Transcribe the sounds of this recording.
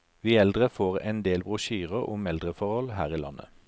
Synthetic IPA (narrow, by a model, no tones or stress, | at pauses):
ʋiːɛld̪ʁəfoːʁɛ̰nd̪eːlbʁʊʃyːʁəʁʊmɛld̪ʁəfɔʁhɔlhæːʁiːlɑ̰nə̰